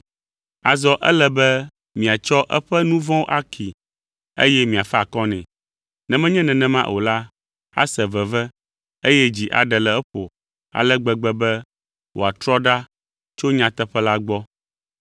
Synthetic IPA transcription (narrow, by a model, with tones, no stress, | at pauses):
a˨zɔ˦ʔɛ̰˦lɛ˨bɛ˦ | mĩ˨a˨t͡ʃɔ˦ʔɛ̰˦ɸɛ˦nũ˦vɔ̃˦ʔa˦kʰi˨ | ḛ˦jɛ˦mĩ˨a˨fɛ˦a˨kɔ˦nɛ̃˨ | nɛ̃˨mɛ̃˦ɲɛ̃˦nɛ̃˨nɛ̃˨mã˦ʔo̰˨la˦ | a̰˦sɛ˨vɛ˨vɛ˦ | e˦jɛ˦d͡ʑi˨ʔa̰˨ɖɛ˨lɛ˨ɛ˦ɸo˨ | a̰˨lɛ˦ɡ͡bɛ˨ɡ͡bɛ˦bɛ˦ | wʔo̰˨a˨t̪ɾɔ˦ɖa˦ | t͡ʃo˦ɲã˨t̪ɛ˦ɸɛ˦la˦ɡ͡bɔ˦